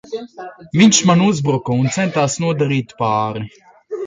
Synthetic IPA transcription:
viɲʲʃmanuzbɾɔkɔunt̪sɛnt̪aːsnuɔd̪aɾiːt̪ʲpaːɾi

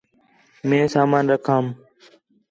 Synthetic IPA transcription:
mẽːsaːmaːnɾəkʰaːm

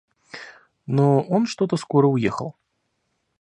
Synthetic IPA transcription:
nɔɔnʂt̪ɔt̪ɐskɔɾəujɛxɐ̰lˠ

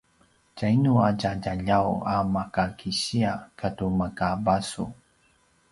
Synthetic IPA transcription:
cajnuacaɟaʎawamakakʰiɕiakʰatumakabasṵ

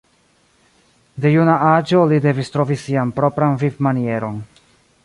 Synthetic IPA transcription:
de̞junaʔad͡ʒo̞lide̞vistɾo̞visianpɾo̞pɾanvivmanie̞ɾo̞n

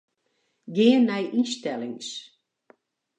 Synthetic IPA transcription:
ɡɪːənːɛjʔistɛlˠɪŋs

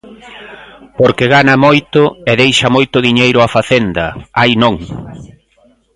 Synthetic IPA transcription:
poɾkɪɣanɐmojt̪ʊeðejʃɐmojt̪ʊðiɲejɾʊafaθend̪ɐajnõŋ

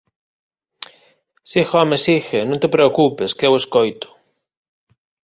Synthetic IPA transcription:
sixɔmesixenõnt̪epɾeokupeskeweskojt̪ʊ̥

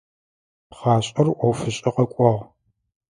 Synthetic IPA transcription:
pχaːɕʼɐrʔʷɔwfɨɕʼɐqɐkʷʼɔʁ

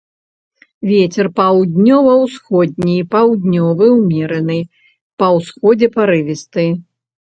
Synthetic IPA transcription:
vʲɛt͡sʲɛrpɐwd̪ʲnʲɔvɐwsxɔd̪̚ʲnʲipawd̪ʲnʲɔvɨwmʲɛɾɐnɨ | pɐwsxɔd͡zʲɛpaɾɨvʲist̪ɨ

